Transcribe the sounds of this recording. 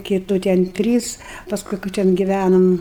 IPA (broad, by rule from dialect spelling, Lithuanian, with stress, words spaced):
kʲɪˈtuː tʲɛn ˈtʲrʲiːs pɐsˈkʊɪ kɐ ˈtʲɛn ɡʲɪˈʋʲænoːm